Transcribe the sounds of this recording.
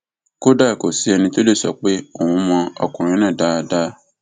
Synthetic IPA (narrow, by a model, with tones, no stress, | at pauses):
ko˦da˦˨ko˨si˨˦ɛ˧nĩ˧to˦de˦˨sɔ̰˨k͡pe˦o˦˨wũ˧mɔ̃˧ɔ̰˨kũ˨ɾ̃ĩ˧˦nã˦˨da˦˧da˦